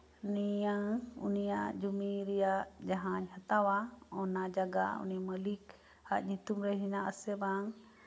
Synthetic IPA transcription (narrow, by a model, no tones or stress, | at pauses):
nijaŋṵnijaʔd͡ʒumiɾɛjaʔd͡ʒaɦãɲhat̪awaɔnad͡ʒaɡa̰ṵniməlik | ha̰ʔɲut̪umɾɛɦinaʔəsɛbaŋ